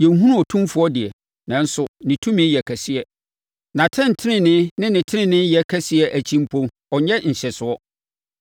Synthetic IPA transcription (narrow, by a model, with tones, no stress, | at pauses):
jɛ˨˦ɦũ˦ɾũ˦ɔ˨tʰũ˦mfʊ˨˦ɔ˦dɪ˨ɛ˨ | nã˨n̩˦sʊ˦nɪ̃˨tʰũ˦mɪ̃˦jɛ˨kʰæ˨sɪ˦ɛ˨ | nã˨tʰɛ̃˦n˨tʰɪ˦nɪ̃˨nɪ̃˦nɪ̃˦nɪ̃˨tʰɪ˦ɪ̃˦˨nɪ̃˦jɛ˨˦kʰæ˦sɪ˦ɛ˦ʔæ˨t͡ɕʰĩ˦m̩˦pʰõ˦m | ɔ˨ɲ˦ɛ˦ɲ̩˨ɕɛ˨sʊ˨˦ɔ˦